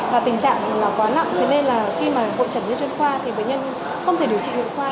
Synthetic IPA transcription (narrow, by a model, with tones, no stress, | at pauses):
vaː˨˩t̪ï˨˩ŋ̟t͡ɕa̰ː˧˨ŋ˨˩laː˨˩kwaː˨˦na̰˧˨ŋ͡mt̪ʰe˨˦ne˧nlaː˨˩xi˧maː˨˩vo̰˧˨t͡ɕə˧˩nzə̰˧˦twnxwaː˧t̪ʰi˨˩ɓə̰˧˨ɲə˧n | xə˧wt̪ʰe˧˩ɗəwt͡ɕḭ˧˨hḭ˧˨xwaː˧